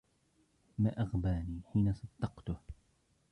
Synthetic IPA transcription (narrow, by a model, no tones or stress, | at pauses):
maːʔaɣbaːniːħiːnasˤɑd̪̥ːɑqt̪ʊh